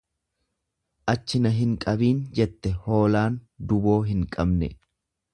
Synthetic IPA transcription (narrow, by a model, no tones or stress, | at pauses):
ʔɐt͡ʃːɪnɐɦɪŋkʼɐbiːnd͡ʒɛt̪ːɛho̞ːlaːnd̪ʊbo̞ːɦɪŋkʼɐbnɛ̰